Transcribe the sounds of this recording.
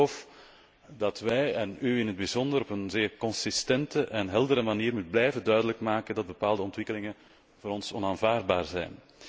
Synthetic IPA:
of | dɑtʋɛjɛnyɪnɦəd̚bizɔndəɾɔpənzɪːrkɔnsɪstɛntəʔɛnɦɛlˠdəɾəmaniːrmut̚blɛjvədœɥdələkmaːkəndɑd̚bəpaːlˠdəɔntʋɪkəlɪŋə | voːɾɔnsɔnaːnvaːrd̚baːrzɛ̰jn

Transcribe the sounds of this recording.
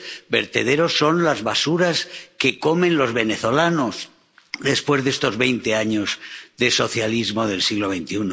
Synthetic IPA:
be̞̰ɾt̪e̞ð̞e̞ɾosːo̞nlazβasuɾaske̞ko̞mẽnlo̞zβe̞ne̞θo̞lanoz | ðe̞spwe̞zðe̞st̪o̞zβe̞jnt̪e̞aɲo̞zðe̞so̞θjalizmo̞ðe̞lsiɣlo̞β̞e̞jnt̪iuno

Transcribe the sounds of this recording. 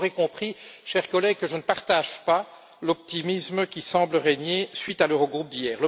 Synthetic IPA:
ʁɛkɔ̃pχiʃɛʁkɔlɛɡ̚kəʒənəpaʁt̪aʒpa | lɔp̚t̪imisməkʲisɑ̃ːbləʁeɲesɥit̪aløʁəɡʁup̚d̪ijɛːʁlə

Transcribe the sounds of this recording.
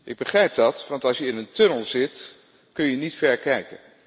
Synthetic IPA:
ʔɪɡ̚bəχrɛjp̚dɑtʋɑntɑlˠsjəɪnəntɵnəlˠzɪt | kɵnjənitfɛɹkɛjkən

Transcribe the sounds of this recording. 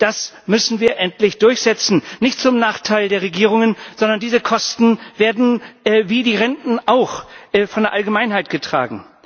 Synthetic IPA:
d̥as | mʏsn̩viːɐʔɛntlɪçd̥ʊɐçz̥ɛt͡sn̩nɪçtt͡sʊmnaːχtʰaɪldeːɐʁeɡiːʁ̞ʊŋənz̥ɔndɐndiːzəkʰɔstn̩veːɐdn̩ɛːviːdiːʁɛntn̩ʔaʊxʔɛːfɔndeːɐʔalɡəmaɪnɦaɪtɡ̥ətʁ̥a̰ːɡŋ̩

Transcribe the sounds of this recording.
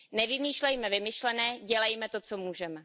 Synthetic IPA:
nɛvɪmiːʃlɛjmɛvɪmɪʃlɛnɛːɟɛlɛjmɛt̪ot͡somuːʒɛmɛ

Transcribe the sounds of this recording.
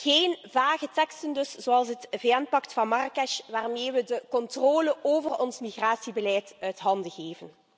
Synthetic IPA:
ɣeːnvaːɣətɛkstəndɵsz̥oːɑlˠsɦətveːɛnpɑktfɑnmɑrkɛʃʋaːrmeːʋədəkɔntroːləoːvərɔnsmiɣraːsibəlɛjtœɥtɦɑndəɣeːvən

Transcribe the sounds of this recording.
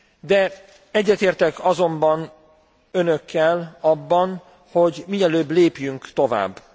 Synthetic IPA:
d̪ɛ | ɛɟːɛt̪eːrt̪ɛkɒzo̞mbɒn | ø̞nøkːɛlɒbːɒn | ho̞ɟmiɛløːbleːpjyŋkt̪o̞va̰ːbː

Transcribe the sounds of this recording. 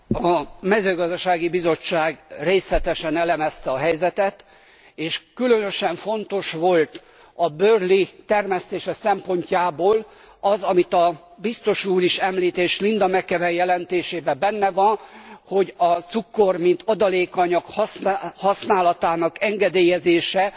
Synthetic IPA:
ɒmɛzøːɡɒzd̪ɒʃaːɡibizo̞t͡ʃːaːɡreːslɛt̪ɛʃɛnɛlɛmɛst̪ɛɒɦɛjzɛt̪ɛt̪ | eːʃkylønø̞ʃɛɱfo̞nt̪o̞ʃʋo̞lt̪ | ɒbøːrlit̪ɛrmɛst̪eːʃɛsɛmpo̞ɲcaːboːl | ɒzɒmit̪ɒ | bist̪o̞ʃuːɾiʃɛmliːt̪eːʃlind̪ɒmɛkːɛvɛjɛlɛnt̪eːʃeːbɛbɛnːɛvɒnho̞ɟɒt̪sukːo̞rmint̪ʰɒd̪ɒleːkɒɲɒkhshɒsnaːlɒt̪aːnɒkɛŋɡɛd̪eːjɛzeːʃɛ

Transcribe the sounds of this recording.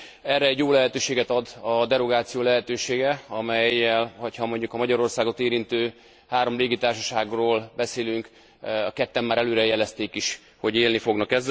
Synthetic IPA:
ɛrːɛɛɟːjoːlɛɦɛt̪øːʃeːɡɛt̪ɒd̪ɒd̪ɛɾo̞ɡaːt̪sijoːlɛɦɛt̪øːʃeːɡɛɒmɛjːɛlho̞chɒmo̞ɲɟukɒmɒɟɒɾo̞rsaːɡo̞t̪eːɾint̪øː | haːɾo̞mleːɡit̪aːrʃɒʃaːɡroːlbɛseːlyŋk | ɒkɛt̪ːɛmːaːɾɛløːɾɛjɛlɛst̪eːkiʃ | ho̞ɟeːlnifo̞ɡnɒkɛz

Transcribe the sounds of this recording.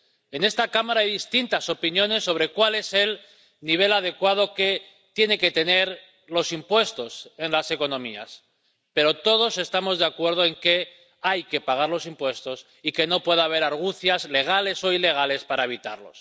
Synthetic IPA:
e̞ne̞st̪akamaɾaajðist̪int̪aso̞pinjo̞ne̞sːo̞β̞ɾe̞kwale̞sel | niβ̞e̞lað̞e̞kwað̞o̞ke̞ | t̪je̞ne̞ke̞t̪e̞ne̞ɾ | lo̞simpwe̞st̪o̞se̞nlase̞ko̞nõ̞mia̰s | pe̞ɾo̞t̪o̞ð̞o̞se̞st̪amo̞zðeakwe̞ɾð̞o̞e̞ŋke̞ | ajke̞paɣ̞aɾlo̞simpwe̞st̪o̞s | ike̞no̞pwe̞ðaβ̞e̞ɾaɾɣ̞uθjazle̞ɣ̞ale̞so̞ile̞ɣ̞ale̞spaɾaeβ̞it̪a̰ɾlo̞̰s

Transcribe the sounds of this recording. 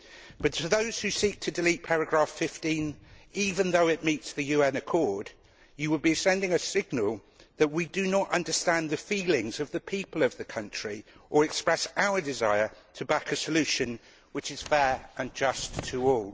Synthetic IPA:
b̥ʌtʰəðoʊz̥hʉsiˑk̚tʰɨdɪliˑt̚pʰaɹɨɡɹɑˑfɪftĩniːvə̃nðoʊɪʔ̚miˑtsðɨjʉːɛ̃nɨkʰɔɹd | jɨwəd̚bisɛ̃ndɪ̃ŋɨsɪɡ̚nəlˠ | ðəʔwidɨnətʌ̰̃ndəstæ̃nðɨfilɪ̃ŋzʌvðəpʰiˑpəlˠʌvðɨkʰʌ̃nt͡ʃɹ̥iʔə˞ɨkspɹɛsaʊədɪza̰ɪə˞tʰəbakʰɨsəlʉˑʃɨ̃n | wɨt͡ʃɪz̥fɛːɹə̃nd͡ʒʌstʰəɔːlˠ

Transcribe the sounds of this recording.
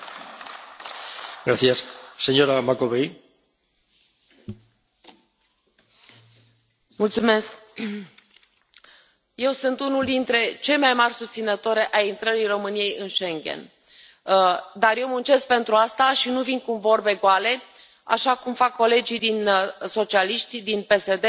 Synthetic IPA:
ɡɾaθiasseɲoɾamakoβej | mult̪sumesk̚ | je̞wsɨnt̪unuld̪int̪ɾe̞t͡ʃe̞lmajmarʲsust̪sinət̪oɾe̞ʔaint̪ɾəɾijro̞mɨnije̞jɨnʃe̞ŋɡʲe̞̰n | d̪arje̞wmunt͡ʃe̞sk̚pe̞nt̪ɾuast̪aʃinuvinkumvo̞rbe̞ɡoale̞ | a̰ʃakumfakːo̞le̞d͡ʒid̪inso̞t͡ʃialiʃt̪d̪inpe̞se̞d̪e

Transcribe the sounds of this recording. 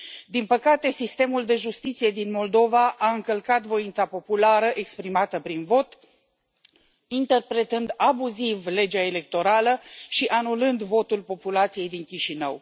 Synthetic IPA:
d̪inpəkat̪e̞sist̪e̞muld̪e̞ʒust̪it̪sije̞d̪inmo̞ld̪o̞vaʔaɨŋkəlkat̪vo̞int̪sapo̞pulaɾəʔekspɾimat̪əpɾinvo̞t̪ | int̪e̞rpɾe̞t̪ɨnd̪abuzivle̞d͡ʒaele̞k̚t̪o̞ɾaləʃiʔanulɨnd̪vo̞t̪ulpo̞pulat̪sije̞jd̪iŋkʲiʃinə̰w

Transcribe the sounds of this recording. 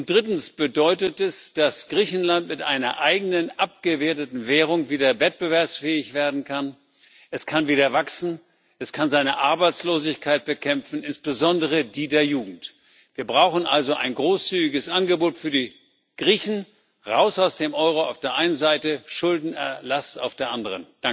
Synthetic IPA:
ʊnt̚d̥ʁɪtn̩sb̥ədɔʏtətɛsd̥asɡ̥ʁiːçn̩lantmɪtʔaɪnɐ̰ʔaɪɡənənʔap̚ɡ̥əveːɐtətn̩vɛːʁ̞ʊŋviːdɐvɛt̚b̥əvɛɐpsfɛːɪçv̥eːɐdn̩kʰan | ʔɛskʰanviːɾɐvaksn̩ | ʔɛskʰanzaɪnəʔaɐbaɪt͡sloːzɪçkʰaɪt̚b̥əkʰɛmfn̩ɪnsb̥əzɔndəʁədiːdeːɐjuːɡŋ̩t | v̥iːɐbʁaʊxn̩ʔalzoʔa̰ɪnɡʁoːst͡syːɡɪɡəsʔanɡəboːtfyːɐdiː | ɡ̥ʁiːçn̩ | ʁaʊsaʊsd̥eːmʔɔʏʁoa̰ʊfd̥eːɐʔaɪnənzaɪtəʃʊldn̩ɛɐlasa̰ʊfd̥eːɐʔandəʁənd̥aŋ

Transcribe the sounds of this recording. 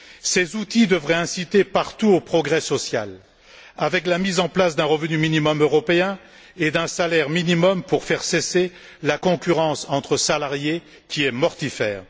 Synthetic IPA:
sezut̪id̪əvʁɛɛ̃sit̪epaʁt̪uopχɔɡʁɛsɔsja̰l | avɛklamizɑ̃plasd̪ɛ̃ʁəvnyminimɔmøʁɔpeɛ̃ | ed̪ɛ̃salɛʁminimɔmpuʁfɛʁsese | lakɔ̃kʲyʁɑ̃sɑ̃t̪χəsalaʁje | kʲʰiɛmɔʁt̪ifɛ̰ːʁ

